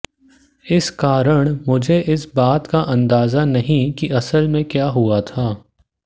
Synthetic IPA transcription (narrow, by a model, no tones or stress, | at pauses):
ɪskaːɾəɽ̃mʊd͡ʒʱeʔɪsbaːt̪kaʔɐ̃nd̪aːzanɐɦĩkiʔɐsəlmẽkjaːɦuat̪ʰaː